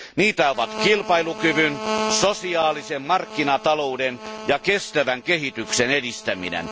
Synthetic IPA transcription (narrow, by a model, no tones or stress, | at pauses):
niːt̪æoʋɑt̪kilpɑilukyʋynsosiɑːlisemmɑrkːinɑt̪ɑloudenjɑkest̪æʋæŋkehit̪yksenedist̪æmḭnḛn